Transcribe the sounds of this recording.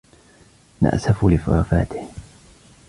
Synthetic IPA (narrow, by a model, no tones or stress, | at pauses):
na̰ʔsafulɪfʊɾˤaːfa̰ːt̪ɪ̥h